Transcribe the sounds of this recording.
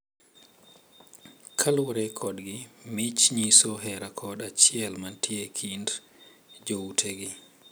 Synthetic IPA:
kʰalwɾɛkʰɔɗɡimit͡ʃɲisɔɦɛɾakʰɔɗat͡ʃiɛlmantʰiekʰind | d͡ʒowtʰeɡi

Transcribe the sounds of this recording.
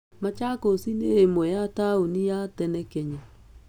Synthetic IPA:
mat͡ʃakosineemwɛjataunijatɛnɛkɛɲa

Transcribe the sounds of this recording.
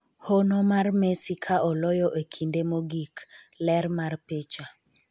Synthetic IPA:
honɔmarmesikʰaʔɔlɔjɔʔekʰindemoɡiklɛɾmarpet͡ʃa

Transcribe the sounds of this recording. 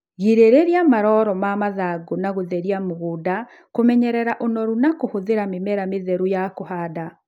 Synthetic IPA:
ɣiɾeɾeɾiamaɾɔɾɔmamaðaɡonaɣoðɛɾiamoɣuda | komɛɲɛɾɛɾaʔonɔɾunakohoðeɾamemɛɾameðɛɾujakohaːda

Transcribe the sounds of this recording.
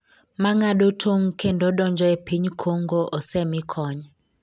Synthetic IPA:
maŋaɗotʰoŋkʰendɔɗɔnd͡ʒɔepʰiɲkʰoŋɡoʔɔsɛmikʰɔɲa

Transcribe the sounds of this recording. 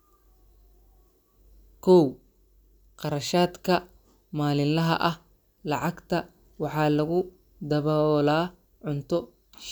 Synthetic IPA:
kʰɔw | qɑɾɐʃaːd̪kʰɐ | maːlɪnlɐɦɐ̰ʔɐh | lɑʕɑɡt̪ʰɐ | wɑħɑːlɐɣʊ | d̪ɐβɔlaː | ʕʊnt̪ʰɔ | ʃ

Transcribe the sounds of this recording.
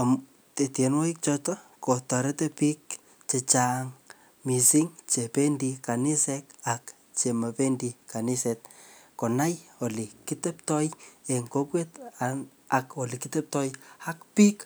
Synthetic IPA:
amu | tetjenwɔik̚t͡ʃɔtɔkotaɾɛtɛpik̚ | t͡ʃet͡ʃaŋ | misiŋt͡ʃependikanisɛkak | t͡ʃemapendikaniset̚konajolikɪtɛptɔjeŋkokweta | akolikɪtɛp̚tɔjhakpik

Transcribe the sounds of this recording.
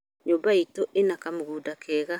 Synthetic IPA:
ɲobaitoenakamuɡudakʰɛɣa

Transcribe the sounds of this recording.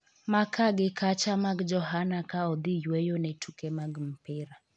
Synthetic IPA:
makaɡɪkʰat͡ʃamaɡd͡ʒɔɦanakaɔd̪ɪjwejonɛtʰukɛmaɡm̩pɪɾa

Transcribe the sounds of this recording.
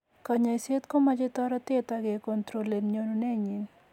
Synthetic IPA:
kɐɲajset̪komɐd͡ʒet̪ɔɾat̪et̪aɡekɔnt̪ɾolːenɲonunɛɲin

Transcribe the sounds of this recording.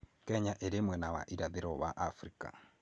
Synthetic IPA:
kɛɲaʔeɾemwɛnawa̰ʔiɾaðeɾɔβaʔafɾika̰

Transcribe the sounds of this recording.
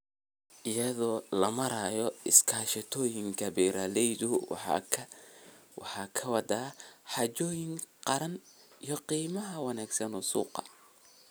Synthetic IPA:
ʔɪjɐðɔːlɐmɐɾajɔɪskʰaːʃɐt̪ʰɔːjɪŋkʰɐbɛːɾalɛjðʊwʰ | wɑ̰ħɑːkʰɐwɑd̪aːħɑt͡ʃɔːjɪŋqɑɾɐnijɔqiːmɐɦɐwɑnaːɡsɐnɔsṵːqɑ̰

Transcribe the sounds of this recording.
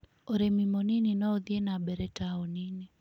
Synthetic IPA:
oɾemimɔnininɔoðjenabɛɾɛtaɔnini

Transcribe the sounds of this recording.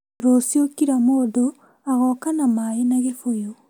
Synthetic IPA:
ɾosiokiɾamoːdo | aɣɔkanamaenaɣefojo

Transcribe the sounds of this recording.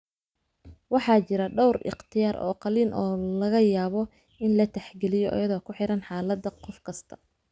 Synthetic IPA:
wɑħɑːt͡ʃɪɾɐɖɔwrɪ̰qt̪ʰɪjaːɾɔ̰ːqɑliːnʔɔːlɐɣɐjaːβɔ | ɪnlɐt̪ʰɛħɡɛlɪjɔʔɔ̰jɐðɔːkʰʊħɪɾɐnħɑːlɐd̪ɐqɔfkʰɐst̪ʰɐ̥

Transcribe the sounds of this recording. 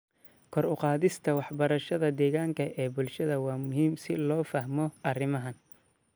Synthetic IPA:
kʰɔɾʊqɑːðɪst̪ʰɐwɑħbɐɾɐʃɐðɐd̪ɛːɣaːŋkʰɐʔɛːbʊlʃɐðɐwɑːmʊɦiːmsɪlɔːfɐhmɔʔɐrɪmɐɦɐn

